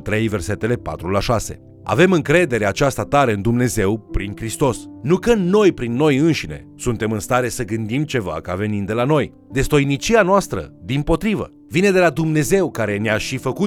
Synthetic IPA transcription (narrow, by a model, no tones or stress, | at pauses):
t̪ɾe̞jve̞rse̞t̪e̞le̞pa̰t̪ɾulaʃase̞̰ | a̰ve̞mɨŋkɾe̞d̪e̞ɾe̞at͡ʃast̪at̪aɾeɨnd̪umne̞ze̞wpɾiŋkɾist̪o̞snukənnːo̞jpɾinːo̞jɨnʃine̞̰sunt̪e̞mɨnst̪aɾe̞səɡɨnd̪imt͡ʃe̞va̰kave̞nind̪e̞lano̞j | d̪est̪o̞jnit͡ʃianoast̪ɾə̰d̪impo̞t̪ɾivə̰ | vine̞d̪e̞lad̪umne̞ze̞wkaɾe̞neaʃifəku